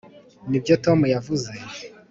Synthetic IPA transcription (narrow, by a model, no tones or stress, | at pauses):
nibjoto̞mujavuze̞